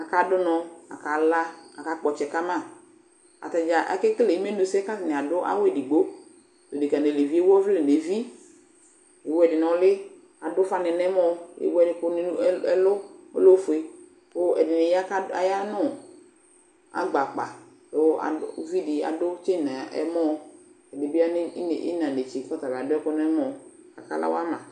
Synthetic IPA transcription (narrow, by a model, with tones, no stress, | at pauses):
a˨ka˨dʊ˦nɔ˨a̰˨ka˨la˦a˨ka˨k͡pɔ˨t͡ʃɛ˨ka˦mã˦˨ | a̰˨ta˨d͡ʒa˨ʔɛ̰˦kɪ˦kle˨i˦me˦nu˨sɛ˦ka˦tɪ˨nɪ̃˨a˨dʊ˦ʔa̰˦we˨di˨ɡ͡bo˦ | to˨dɪ˨ka˨ne˨le˨vi˦e˦wɔ˦vlɪ˨ne˨vi˦ | e˨wɛ˨dɪ˨nɔ̃˨˦lɪ˦ | a˨dʊ˦fa˦nɪ˨nɛ̃˦m˦ɔ˦ḛ˨wɛ˦˨dɪ˨pʊ˦nɪ˦ɛ˦lʊ˦o̰˦lo˦fʊ˨e˨ | kʊ˦ɛ̰˨dɪ˨nɪ˨ja˦ka˦a̰˨ja˦nʊ˦˨ | a̰˨ɡ͡ba˨k͡pa˨ | tʊ˦a̰˨˦vi˦di˨a̰˨dʊ˦t͡ʃe˦na˨ʔɛ̰˦mɔ˦ | ɛ˨dɪ˨bɪ˦a˦nɪ˦n˨ɪ̰˦nã˨ne˨t͡ʃɪ˨˦kɔ˦ta˨ba˨dʊ˦ɛ˦kʊ˦nɛ˦mɔ˨ | a̰˨ka̰˦la̰˦w̰a˦mã˨